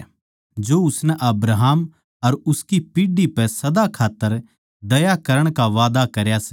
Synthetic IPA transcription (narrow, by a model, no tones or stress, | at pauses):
d͡ʒoːʊsnɛʔɐbɾaɦəm | ɐɾʊskipiːɖipɛsɐd̪akʰaːt̪ːəɾ | d̪ɐjakɐɾəɽ̃kaʋaːd̪akɐɾjasɛ